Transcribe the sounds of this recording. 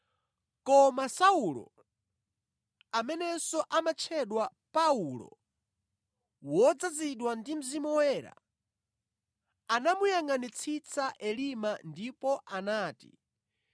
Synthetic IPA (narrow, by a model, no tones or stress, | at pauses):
kɔmasaulɔ̰ | amɛnɛsɔʔamat͡ʃʰɛɗwapaulɔ̰ | wɔd͡zaziɗwandim̩zimɔwɛːɾa̰ | anamujaŋanit͡sʰit͡sʰaʔɛlimandipɔʔanaːti̥̰